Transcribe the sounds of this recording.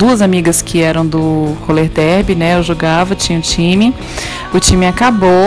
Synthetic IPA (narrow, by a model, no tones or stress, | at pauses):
d̪uɐzamiɡɐskɪɛɾɐ̃w̃d̪ʊkoleɾd̪ɛɾbɪnɛewʒoɡavɐt͡ʃĩɲɐʊt͡ʃĩmɪ | ʊt͡ʃĩmɪakabo